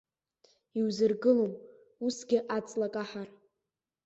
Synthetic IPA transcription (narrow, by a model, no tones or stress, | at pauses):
iwzɨrɡɨlom | usɡʲɪʔat͡sʼlakʼaħar